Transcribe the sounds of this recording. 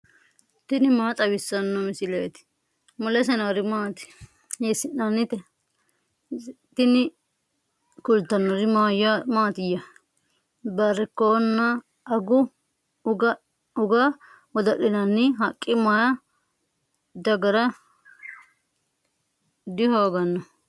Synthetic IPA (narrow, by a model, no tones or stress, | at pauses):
t̪ɪnɪmaːt̪ʼɐwɪsːɐnːɔmɪsɪleːt̪ɪ̥ | mʊlɛs̬ɐnɐɾɪmaːt̪ɪ̥ | jesɪnɐnːɪt̪ɛ | t̪ɪnɪ | kʊlt̪ːɐnːɔɾɪmaːjamaːt̪ɪjɐ | bɐɾɛkːonːɐ | ɐɡʊ | ʊɡɐ | ʊɡa | wɔd̪ɐʔːɪnɐnːɪɦɐkʼːɪmɐjɐ | d̪ɐɡɐɾɐ | d̪ɪhoːɡɐnːɔ